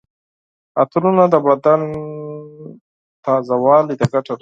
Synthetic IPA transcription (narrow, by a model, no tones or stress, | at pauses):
at̪ulunad̪əbad̪an | t̪ɑzawɑlid̪əɡaʈaɾ